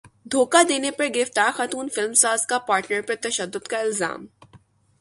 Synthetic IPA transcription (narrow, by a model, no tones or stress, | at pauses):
d̪ʱoːkad̪eːnepɐɾɡɪɪft̪aːɾxaːt̪uːnfɪlmsaːzkapaːɾʈnəɾpɐɾt̪ɐʃəd̪ːʊd̪kaɪlza̰ːm